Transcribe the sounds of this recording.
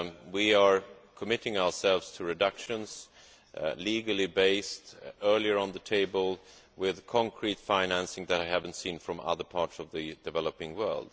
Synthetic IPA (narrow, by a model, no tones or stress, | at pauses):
wiə˞kʰəmɪɾɪ̃ŋaʊə˞sɛlˠvz̥tʰɨɹɨdʌkʃɨ̃nz̥ | liɡəl̩ˠibeɪstɜ˞lˠiə˞ə̃nðətʰeɪbəlˠ | wɪðkʰɑ̃ŋkʰɹitfãɪ̃næ̃nsɪ̃ŋðɨɾaɪhævɨ̃n̩tsĩnfɹʌ̃mʌ̰ðə˞pʰɑɹtsʌvðɨdɨvɛlˠəpɪ̃ŋwɜ̰˞lˠd̥